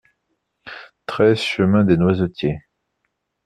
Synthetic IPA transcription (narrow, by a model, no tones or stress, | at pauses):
t̪χɛzʃəmɛ̃d̪enwazot̪je